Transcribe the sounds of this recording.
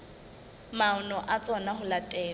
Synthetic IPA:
maʊnɔʔat͡sʼɔnaɦʊlatʼɛː

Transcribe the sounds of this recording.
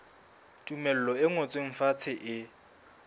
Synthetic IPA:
tʼumɛl̩lɔɪŋɔt͡sʼweŋ̩fat͡sʰɪʔɪ

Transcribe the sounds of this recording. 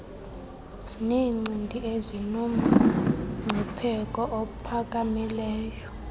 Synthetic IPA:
niːŋ͡ǀindʱʼiʔezinumuŋ͡ǀʱɛpʰɛkʼɔʔopʰak̬ʼamilɛːjɔ

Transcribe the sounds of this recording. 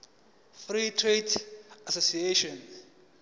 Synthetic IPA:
fritʰretasosieʃɔns

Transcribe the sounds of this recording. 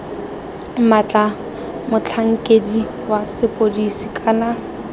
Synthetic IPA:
mat͡ɬʼa | mʊt͡ɬʰaŋ̩kʼedi | wasɪpʼodisikʼana

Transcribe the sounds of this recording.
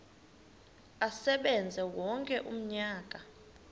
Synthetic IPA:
asɛɓɛnd͡zʱɛwɔŋkʼɛʔum̩ɲaːk̬ʼa

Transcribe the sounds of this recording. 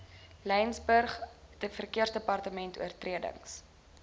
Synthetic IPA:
lɛjnsbərχɛtəfərkiərsdəpɐrtəmɛntṵərtriədə̰ŋs

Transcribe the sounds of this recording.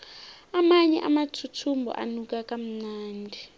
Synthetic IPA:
amaɲɛ̰ʔamatʰutʰumbʱɔ̰ʔa̰nuk̬ʼakʼam̩naːndʱi

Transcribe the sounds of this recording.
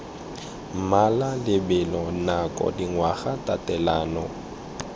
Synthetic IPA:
m̩malalɪbɛlɔnakʼɔ̰diŋwaɣatʼatʼɛlaːnɔ

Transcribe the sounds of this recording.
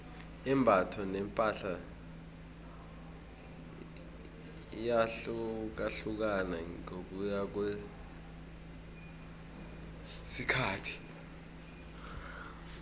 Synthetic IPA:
imbʱatʰɔnɛmpʼaɬa | jaɬuk̬aɬuk̬anaok̬ujak̬we | sikʰaːtʰi̥

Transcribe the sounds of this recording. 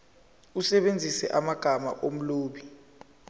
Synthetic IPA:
usɛɓend͡zʱisɛ̰ʔamaɡ̥ʱama̰ʔom̩loːɓi

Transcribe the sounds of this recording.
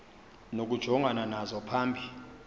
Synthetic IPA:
nok̬ud̥ʒ̥ʱɔŋɡʱananazɔpʰaːmbʱi

